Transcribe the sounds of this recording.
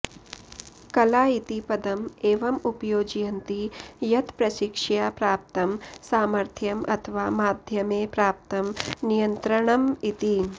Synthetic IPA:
kɐlaːit̪ipɐd̪ɐmeːʋɐmupjoːd͡ʒijɐnt̪ijɐt̪pɾɐʃikʂjaːpɾaːp̚t̪ɐmsaːmɐɾt̪ʰjɐmʔɐ̰t̪ʰɐʋaːmaːd̪ʱjɐmeːpɾaːp̚t̪ɐmnijɐnt̪ɾɐɳɐmit̪i

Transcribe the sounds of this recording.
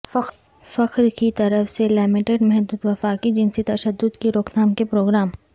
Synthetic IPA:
fɐ | fɐqɾkit̪ɐɾəfselɪːmɪʈeɖmɛɦd̪uːd̪ʋɐfaːkid͡ʒɪnset̪ɐʃəd̪ːʊd̪kiɾoːknaːmkepɾoːɡɾaːm

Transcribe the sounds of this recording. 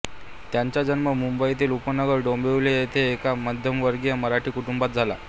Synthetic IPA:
t̪jaɲt͡ɕad͡ʑənməmumbəit̪iːlupənəɡəɾɖombeʋlejet̪ʰeːkamad̪ʱjəmʋəɾɡjəməɾaʈʰiːkuʈumbat̪̚d͡zʱala̰

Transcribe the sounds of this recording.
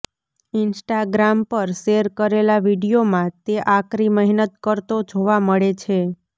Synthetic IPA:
ɪnsʈaɡɾampəɾʃeɾkəɾelaʋiɽijomãt̪eʔakɾiməɦinət̪̚kəɾt̪od͡ʒʱoʋaməɭet͡ʃʰe

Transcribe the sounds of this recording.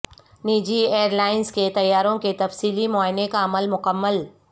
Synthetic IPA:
niːd͡ʒieːɾlaːɪnsket̪ɐjːaːɾõket̪ɐfsiːlimɔːɪnekaɐməlmʊkəmːəl

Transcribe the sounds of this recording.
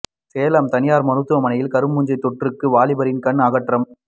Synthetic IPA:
seːlɐmt̪ɐnɪjaːɾmɐnɯt̪ːɯʋɐmɐnɐjɪlkɐɾɯmːʊɲd͡ʒɐɪt̪ːɔʈrɯkːɯʋaːlɪbɐɾɪnkɐɳaːɣɐʈrɐm

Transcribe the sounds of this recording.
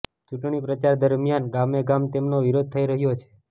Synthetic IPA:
t͡ʃuʈɳipɾət͡ʃaɾd̪əɾmjanɡameɡamt̪emnoʋiɾod̪̚t̪ʰəiɾəɦjot͡ʃʰe̥

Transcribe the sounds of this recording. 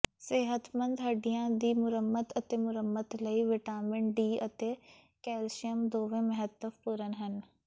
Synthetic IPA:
sɪɦət̪mə̃nd̪ɦəɖiãːd̪iːmʊɾəmːət̪ət̪eːmʊɾəmət̪ləiːʋɪʈaːmɪɳʈ̚ɖiːət̪eː | kɛːlʃijəmd̪oːʋẽːməɦət̪ːəfpuːɾənɦən

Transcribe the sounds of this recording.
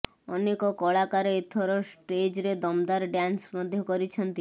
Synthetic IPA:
ɔnekɔkɔɭakaɾeet̪ʰɔɾɔsʈed͡ʒɾed̪ɔmd̪aɾɖjansmɔd̪ʱjɔkɔɾit͡ʃʰɔnt̪i

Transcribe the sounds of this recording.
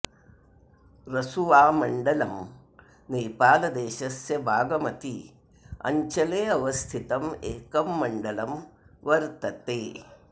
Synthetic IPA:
ɾɐsuʋaːmɐɳɖɐlɐm | neːpaːlɐd̪eːʃɐsjɐbʱaːɡɐmɐt̪ḭ | ɐ̰ɲt͡ʃɐleːɐʋɐst̪ʰit̪ɐmeːkɐmːɐɳɖɐlɐmʋɐɾt̪ɐt̪eː

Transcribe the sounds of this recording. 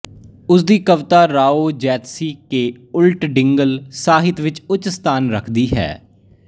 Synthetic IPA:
ʊs̬d̪iːkəʋt̪aːɾaːoːd͡ʒɛːt̪siːkeːʊlʈɖɪŋɡəlsaːɦɪt̪ʋɪt͡ʃʊt͡ʃst̪ʰaːnɾəkʰd̪iːɦɛ̰ː

